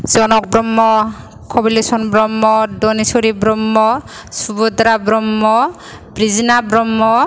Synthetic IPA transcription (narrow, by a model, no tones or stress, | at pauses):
zɔnɔk̚bɾɔmːɔ | kʰɔbilesɔnbɾɔmːɔdɔnisoɾibɾɔmːɔ | subɔd̪ɾabɾɔmːɔ | bɾizinabɾɔmːɔ